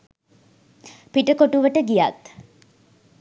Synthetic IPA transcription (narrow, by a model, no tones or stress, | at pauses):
piʈəkoʈuʋəʈəɡijat̪